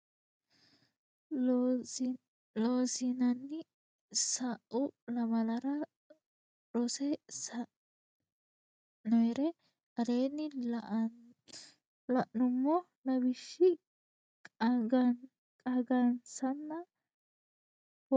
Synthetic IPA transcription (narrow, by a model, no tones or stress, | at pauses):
loːsinɐnːɪ | sɐʔʊlɐmɐlɐɾɐ | ɾɔsɛsɐ | nɔɛɾɛ | ɐdeːnːɪ | lɐʔnʊmːɔ | nɐbɪʃːɪ | kʼɐɡɐ | kʼɐɡɐnsɐnːɐ